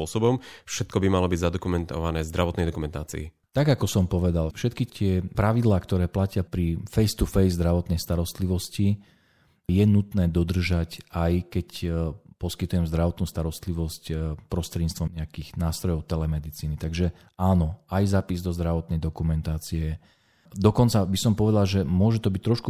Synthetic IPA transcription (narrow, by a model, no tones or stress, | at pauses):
ɔsɔbɔmfʃɛt̪̚kɔbimalɔbiɟzad̪ɔkumɛnt̪ɔʋanɛːzd̪ɾaʋɔt̪nɛjd̪ɔkumɛnt̪a̰ːt͡sḭḭ | t̪aɡakɔsɔmpɔʋɛd̪alfʃɛt̪kit̪ɪɛpɾaʋid̪laːkt̪ɔɾɛːplacɪapɾifɛjst̪ufɛjzd̪ɾaʋɔt̪nɛjst̪aɾɔst̪liʋɔsci | jɛnut̪nɛːd̪ɔd̪r̩ʒacajkɛcpɔskit̪ujɛmzd̪ɾaʋɔt̪nuːst̪aɾɔst̪liʋɔscpɾɔst̪ɾɛd̪ɲit͡st̪ʋɔmɲɛakiɣnaːst̪ɾɔjɔʊt̪ɛlɛmɛd̪it͡siːnit̪aɡʒɛ | aːnɔajzaːpizd̪ɔzd̪ɾaʋɔt̪nɛjd̪ɔkumɛnt̪aːt͡siɛ | d̪ɔkɔnt͡sabisɔmpɔʋɛd̪alʒɛmʊɔʒɛt̪ɔbic̚t̪ɾɔʃku